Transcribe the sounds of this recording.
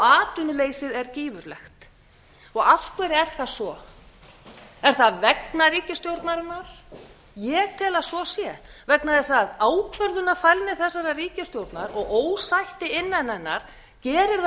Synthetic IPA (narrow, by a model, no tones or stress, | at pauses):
aːt̪ʏnʏleːjsɪðɛɾciːvʏɾlɛ̰xt̪ | ɔɣaft̪kʰvɛɾɛɾ̥θasɔ | ɛɾ̥θaðvɛknariːcɪst̪jowɾt̪naɾɪnal̥ | jɛɣt̪ʰɪlasɔsjɛvɛknaðɪsaðaːwkʰvœɾðʏnafajlnɪθɛsːaɾariːcɪst̪jowɾt̪naɾɔɣoːwsajht̪ɪɪnːanɛnːa̰ɾ̥ | cɛːɾɪɾð